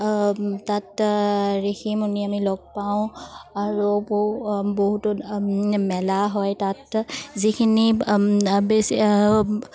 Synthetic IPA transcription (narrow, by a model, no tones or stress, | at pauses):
tat | ɹexʰimuniamilɔɡ̚pawʊ̃aɹubobɔɦut | mɛlaɦɔjtatzikʰini | besi